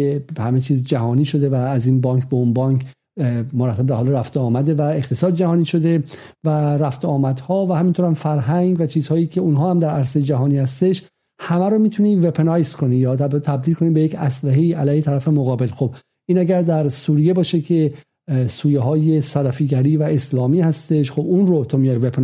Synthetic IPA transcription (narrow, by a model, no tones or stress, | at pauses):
ehæmet͡ʃʰiːzd͡ʒæɦɒːniːʃo̞d̪e̞væːziːnbɒːŋkʰbeunbɒːŋkʰ | moɾæt̪ʰːæb̚d̪æɾhɒːleɾæft̪oɒːmæd̪e̞væe̞χt̪ʰesɒːd̪̚d͡ʒæhɒːniːʃo̞d̪e̞ | væɾæft̪oɒːmæd̪̥hɒːvæhæmint̪ʰoɾhæmfæɾɦæŋɡvæt͡ʃʰiːzhɒːjiːcʰe̞unɦɒːhæmd̪æɾæɾsejed͡ʒæɦɒːniːhæst̪e̞ʃ | hæmæɾomiːt̪ʰuniːve̞pʰenɒjskʰo̞niːjɒːt̪æɾbɣet̪ʰæbd̪iːlkʰo̞niːbejecæslæɦeiːælæːjheæɾæfe̞moɣɒːbe̞lxo̞b̥ | ʔiːnæɡæɾd̪æɾsuːɾije̞bɒːʃekʲʰe | suːjeɦɒːje̞sæɾæfiːɡæɾiːvæe̞slɒːmiːhæst̪e̞ʃxobunrot̪ʰomijɒjvepʰen